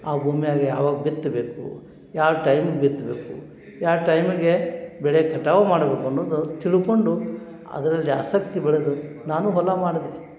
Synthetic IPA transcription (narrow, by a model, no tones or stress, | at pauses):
aːbʱuːmijaːɡija̰ːʋaːɡɐbit̪ːbe̞ːkṵ | jaːʋʈɐjmiɡebit̪ːbe̞ːkṵ | jaːʈɐjmiɡe̞bɛɭekɐʈːaːʋɐmaːɽbe̞ːkuɐnːoːd̪ut̪iɭukoɳɖu | ɐ̰d̪ɐɾɐlːia̰ːsɐkt̪ibɛɭed̪u | naːnuɦɔlɐmaːɽɐd̪e